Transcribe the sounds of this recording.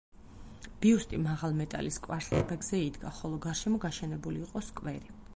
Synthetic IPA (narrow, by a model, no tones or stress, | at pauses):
b̥iust̪ʼimaʁalˠmɛt̪ʼa̰liskʼwaɾlɛ̰ɾbɛɡz̥ɛid̪ɡaχɔlˠɔɡaɾʃɛmɔɡaʃɛnɛbuliːqʼɔskʼwɛɾi